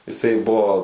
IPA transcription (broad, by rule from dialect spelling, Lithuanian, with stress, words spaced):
ɪˈsɐɪ ˈbuɔ